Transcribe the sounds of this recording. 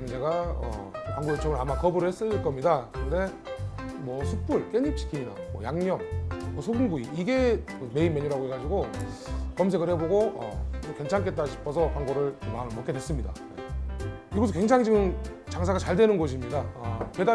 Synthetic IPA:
mɯnd͡ʑeɡaʌ̰pwaŋɡojet͡ɕʰoŋɯɭamakʌbɯɾɯɭhes͈ɯɭk͈ʌmɲidakɯɾʌnde̞ | mwʌsʰuk̚p͈uɭk͈e̞ɲip̚t͡ɕʰi̥kʰiɲina̰mwʌ̰jaŋɲʌmwʌsʰoɡɯŋɡuiiɡe̞kɯme̞imeɲuɾaɡoɦe̞ɡad͡ʑiɡo | kʌms̬ʰe̞ɡɯɭheboɡoʌ̰okwe̞nt͡ɕʰaŋk̬͈ʰe̞t͈aɕʰi̥pʰʌsʰʌkaŋɡoɾɯɭmaɯmok͈ʰedwes͈ɯmɲida̰ | ḛ | iɡʌs̬ʰokwe̞ŋt͡ɕʰaŋd͡ʑiɡɯmt͡ɕaŋsʰaɡat͡ɕaɭdwe̞nɯnɡʌɕ̬ʰimɲidaʌkeda

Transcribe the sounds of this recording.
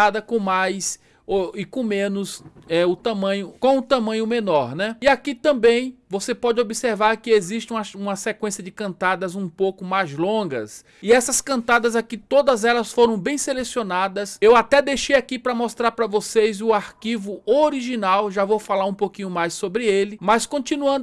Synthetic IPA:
ad̪ɐkõmajs | oɪkõmẽnʊsɛʊt̪ɐ̃mɐ̃ɲʊkõw̃ʊt̪ɐ̃mɐ̃ɲʊmenɔɾnɛiakit̪ɐ̃mbẽj̃vosepɔd͡ʒɪobiseɾvaɾkɪeziʃt͡ʃɪũɐsũmɐsekwẽsijɐd͡ʒɪkɐ̃nt̪ad̪ɐzũpowkʊmajzlõɡɐ̰s | ɪɛsɐskɐ̃nt̪ad̪ɐzakit̪od̪ɐzɛlɐsfoɾɐ̃w̃bẽj̃selesionad̪ɐsewat̪ɛd̪ejʃejakipɾɐmɔst̪ɾaɾpɾɐvosejzʊaɾkivʊoɾiʒinawʒavowfalaɾũpokĩɲʊmajssobɾɪelɪmɐskõnt͡ʃĩnuɐ̃nd̪

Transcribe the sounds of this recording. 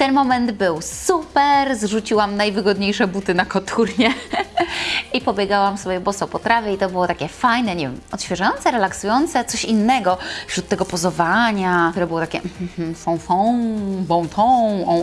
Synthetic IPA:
t̪ɛnmɔmɛnd̪bɘwsupɛɾzʐut͡ɕiwamnajvɘɡɔd̪ɲejʂɛbut̪ɘnakɔt̪ʰuɾɲɛ | ipɔbʲjɛɡawamsɔbʲjɛbɔsɔpɔt̪ɾavʲjɛit̪ɔbɨwɔt̪akʲɛfajnɛɲɛvʲjɛmɔt̪ɕfʲjɛʐajɔnt̪sɛɾɛlaksujɔnt̪sɛt̪sɔɕinːɛɡɔfɕɾut̪ːɛɡɔpɔzɔvaɲat̪uɾɛbɘwɔt̪akʲɛ̰m̩m̩m̩fɔ̃w̃fɔ̃wbɔ̃w̃t̪ʰɔwɔ̃

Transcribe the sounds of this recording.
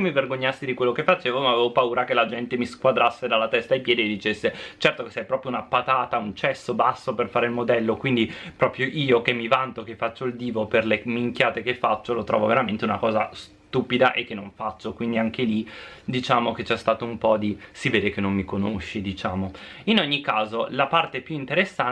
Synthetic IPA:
emːiverɡoɲːasːed̪ikwelːokefat͡ʃeːvomaaveːvopauːɾakelad͡ʒɛnt̪emiskwad̪ɾasːed̪alːat̪ɛst̪ajpjɛːd̪ied̪it͡ʃesːet͡ʃɛrt̪okesɛjpɾɔpɾjounapat̪aːt̪aunt͡ʃɛsːobasːoperfaːɾeilmod̪ɛlːokwind̪ipɾɔːpɾjoʔiːokemːivant̪okefːat͡ʃːoild̪iːvoperlemiŋkjaːt̪ekefːat͡ʃːolot̪ɾɔ̰ːvoveɾament̪eunakɔːzas | t̪uːpid̪aʔekːenːoɱfat͡ʃːokwind̪iaŋkelid̪it͡ʃaːmok̟et͡ʃːɛst̪aːt̪oumpɔd̪isiveːd̪ekenːomːikonoʃːid̪it͡ʃaːmoinoɲːikːaːzolapart̪epjuint̪eɾesːa

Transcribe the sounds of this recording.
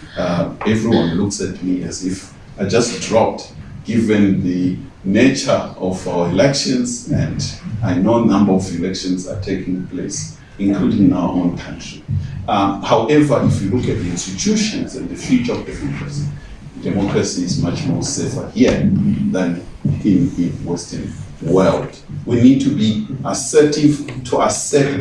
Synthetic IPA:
aɛvɹiwãnluksɛt̚miɛzif | ajd͡ʒastdɹɔp̚tɡ̥ivɛ̃nðɨ | net͡ʃə˞ɔvawəilɛkʃɔ̃nzɛ̃ndajnonãmbə˞ɔvilɛkʃɔ̃nza̰tʰekĩŋpʰles | ĩnkʰludĩnawəʔõnkʰãntʰɹ̥i | hawʔɛvəifwilukɛt̚ðiĩnstitʰuʃɔ̃nzɛ̰̃nðɨfjut͡ʃaɔvdɛmɔkʰɹasi | dɛmɔkʰɹasiːzmat͡ʃmɔɹsɛvə̰hiðãnĩnðiwɛstʰənwɛld | winid̚tʰubiasɛtʰivtʰuasɛt

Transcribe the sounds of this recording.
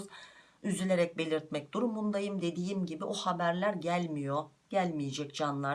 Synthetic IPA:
z | yzylʲe̞ɾɛc̚be̞lʲiɾt̪̚mɛc̚d̪uɾumund̪ajɯmd̪e̞d̪ijimɟibiʔohabæɾlʲæɾɟælʲmijoɟ̥ælʲmije̞d͡ʒɛc̚d͡ʒanlˠa

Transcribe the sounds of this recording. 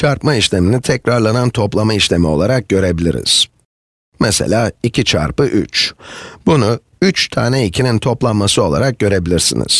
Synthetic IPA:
t͡ʃʰaɾpmaiʃlʲe̞minit̪ʰɛcɾaɾlˠanant̪ʰo̞plˠamaiʃlʲe̞mio̞̰lˠaɾak̚ɟø̞ɾe̞bilʲiɾḭz̥ | mɛsḛlʲaːicʰit͡ʃʰa̰ɾpɯʔy̰t͡ʃbunʊ | yt͡ʃt̪ʰa̰ːnɛicʰinint̪ʰo̞plˠanmasɯo̞lˠa̰ɾak̚ɟ̥ø̞ɾe̞bilʲiɾsḭnḭz̥

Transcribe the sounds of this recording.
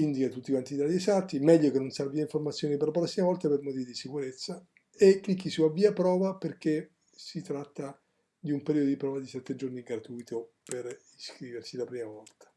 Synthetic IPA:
ind̪ikat̪ːut̪ːikwant̪id̪aɾjesat̪ːimɛʎːokenːonsarviaiɱformat̪sjoːniperlapɾɔsːimavɔlt̪apermot̪iːvid̪isikuɾet̪sːa | ekːlikːisuavːiːapɾɔːvaperk̟e | sit̪ɾat̪ːa | d̪iumpeɾiod̪od̪ipɾɔvad̪isɛt̪ːed͡ʒorniɡɾat̪ujt̪ʰoperiskɾiːversilapɾiːmavɔlt̪ḁ

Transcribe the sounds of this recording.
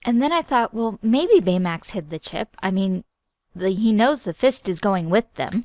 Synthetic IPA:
ʔɨ̃nðɨ̃ñaɪθɔʔ̚wɛlˠmeɪbibeɪmækshɪd̪̚ðɨt͡ʃʰɪ̰p̚ʰa̰ɪmĩn | ðɨinoʊzðɨfɪstɨzɡoʊɪ̃ŋwɪðɨ̰̃m

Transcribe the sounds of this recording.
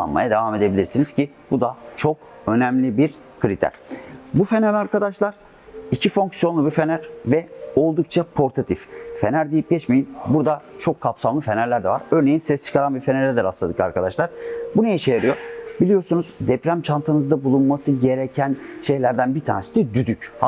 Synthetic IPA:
a̰nma̰jad̪e̞vame̞d̪ebilʲiɾsiniz̥ci | bud̪at͡ʃʰo̞k̚ | ø̞nɛmlʲibiɾ | kʰɯɾit̪ʰæ̰ɾ̥bufe̞næɾaɾkad̪aʃlˠaɾ̥ | icʰifo̞ŋksijo̞nlˠubife̞næɾvɛo̞lˠd̪uk̚t͡ʃʰapʰo̞ɾt̪ʰat̪ʰiffenæɾd̪ijip̚ɟɛt͡ʃme̞jinbuɾd̪at͡ʃʰo̞kʰːapsamlˠɯfe̞næɾlʲæɾd̪ɛ̰va̰ɾø̞ɾne̞jinsɛst͡ʃʰɯ̥kʰaɾanbiɾfe̞neɾɛd̪ɛɾaslˠad̪ɯka̰ɾkʰad̪aʃlˠaɾ̥bunajiʃejaɾɯjo̞ɾbilʲijo̞ɾsunuzd̪ɛpɾæmt͡ʃʰant̪ʰɯnɯzd̪abulˠunmasɯɟe̞ɾecʰænʃe̞jlʲæɾd̪ænbit̪ʰa̰ːnesisɛd̪yd̪yc

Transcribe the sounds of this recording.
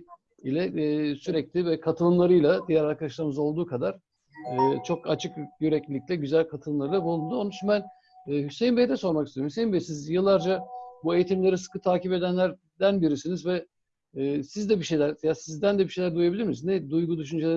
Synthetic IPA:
ilʲɛːsyɾɛclʲivɛkʰat̪ʰɯlˠɯmlˠaɾɯjlˠad̪ijæɾaɾkʰad̪aʃlˠaɾɯmɯzo̞lˠd̪uːkʰad̪aɾ̥ | ɛːt͡ʃʰo̞kat͡ʃʰɯkjyɾɛclʲilʲicʲlʲɛɟyzælʲkʰat̪ʰɯlˠɯmlˠaɾɯlˠabulˠund̪uonuʃumbænː | hysejimbejd̪ɛso̞ɾmakist̪eoɾmysejimbɛjsnizjɯlˠːaɾd͡ʒabue̞jit̪ʰimlʲe̞ɾisɯ̥kʰɯt̪ʰaːcipe̞d̪ænlʲæɾ | d̪ænbiɾisinizvɛː | sizd̪ɛbiʃejlʲæɾzjasizd̪ænd̪ɛbiʃejlʲæɾd̪ujabilʲiɾminiznɛd̪ujɡud̪yʃ̬ynd͡ʒelʲe

